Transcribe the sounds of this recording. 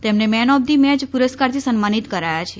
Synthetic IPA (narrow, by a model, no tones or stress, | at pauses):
t̪emnemɛnɔb̚d̪imɛ̃d͡ʒpuɾəskaɾt̪ʰisənmanit̪kəɾajat͡ʃʰe